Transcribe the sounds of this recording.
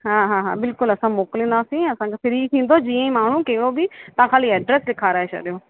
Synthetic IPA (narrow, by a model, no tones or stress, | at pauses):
ɦãːɦãːɦã̰ːbɪlkʊlɐsãːmoːklĩːnd̪aːsĩːɐsãːkepɪɾiːk̪ʰĩːn̆d̪oːd͡ʒiːə̃ĩːmaːɳ̤ũːkeɦɪɽoːbʱiːt̪ãːkʰaːliːɛːɖɾɛːslɪkʰaːɾaɦeːt͡ʃʰɐ̰ɗjoː